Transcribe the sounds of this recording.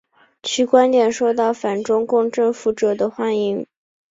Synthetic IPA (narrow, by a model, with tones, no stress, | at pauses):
t͡ɕʰy˧˥kwa˥nt̪jɛ˨˩nʂo˥˧ʊt̪ɑ˥˩ʊfa˨˩nʈ͡ʂʊ˥ŋkʊ˥˧ŋʈ͡ʂɤ˥˩ŋfu˧˥ʈ͡ʂɤ˨˩d̪ə˦xwa˥ni˥˩ŋ